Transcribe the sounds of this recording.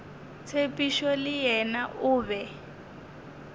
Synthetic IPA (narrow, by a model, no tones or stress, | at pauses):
t͡sʰepiʃɔlɪjɛnaʔuːβɛ